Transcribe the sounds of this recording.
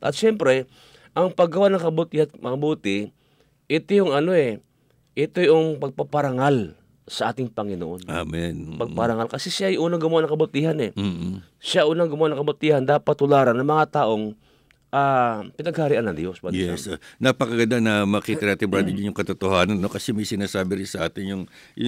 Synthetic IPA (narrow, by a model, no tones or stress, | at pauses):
ʔɐt̪̚ʃɛmpɾɛ | ʔɐŋpɐɡɐwanɐŋkɐbut̪ihanmɐŋɐbuːt̪ɪ | ʔɪt̪ojʊŋɐno̞ʔɛ | ʔɪt̪ojʔʊŋpɐɡ̚papɐɾaŋal | sɐʔaːt̪ɪŋpɐŋɪno̰ʔo̞namɛnpɐɡ̚pɐɾɐŋalkɐsɛʃajʔuːnɐŋɡʊmowanɐŋkɐbʊt̪iːhanɛ | ʃaʔuːnɐŋɡʊmowanɐŋkɐbʊt̪iːhɐnd̪aːpɐt̪ːʊlaːɾɐnːɐŋmɐŋat̪aʔo̞ŋ | ʔapɪnɐɡ̚haɾiʔanɐnd̪jospɐjɛsnɐpɐkɐɡɐnd̪anɐmɐkiːt̪ɐnaːt̪ɪbɾad̪ɪnɪnjʊŋkɐt̪ot̪ohaːnɐnːo̞kɐsɛmɐjsɪnaːsaːbɪɾɪnsɐʔaːt̪ɪnjʊŋ